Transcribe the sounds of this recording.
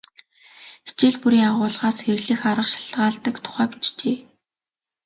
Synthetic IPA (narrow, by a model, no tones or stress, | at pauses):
xi̥t͡ɕeːɮpuɾiːŋaʁʊːɮʁaːsxeɾɘ̆ɣɮɘ̆xaɾə̆qʃḁɮʁaːɮt̪ə̆kt̪ʰʊ̥χæːpi̥t͡ɕt͡ɕeː